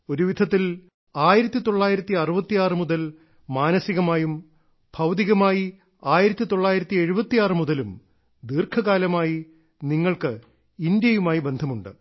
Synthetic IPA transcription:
o̞ɾuʋid̪ʱɐt̪ːil | aːjiɾɐt̪ːit̪o̞ɭːaːjiɾɐt̪ːiɐrubɐt̪ːijaːrɨmuðɐl | maːnɐsiɣɐmaːjum | bʱɐwd̪iɣɐmaːji | aːjiɾɐt̪ːit̪o̞ɭːaːjiɾɐt̪ːie̞ɻubɐt̪ːijaːrɨmuðɐlum | d̪iːrkʰɐɣaːlɐmaːji | niŋːɐɭkɨ | ind̪jɐjumaːjibe̞nd̪ʱɐmuɳɖɨ̰

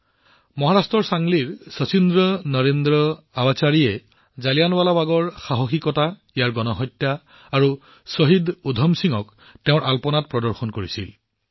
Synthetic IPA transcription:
mɔɦaɹastɹɔɹsaŋliɹsɔt͡ʃindɹɔnɔɹendɹɔ | abat͡ʃaɹiɛ | zalijanbalabaɡɔɹxaɦoxikɔtaijaɹɡɔnɔɦɔjtjaː | ɹu | sɔɦidudʱɔmsiŋɔk | teʊ̃ɹʔalpɔnat̚pɹɔdɔɹxɔnkoɹisḭl

